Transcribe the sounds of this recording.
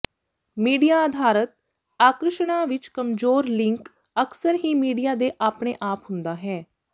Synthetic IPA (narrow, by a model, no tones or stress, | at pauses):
miːɖijaːd̪ʱaːɾət̪̚ | aːkɾəʃɳaːʋɪt͡ʃkəmzoːɾlɪŋk | əksəɾɦiːmiːɖijaːd̪eːʔaːpɳeːʔaːpɦʊnd̪aːɦɛː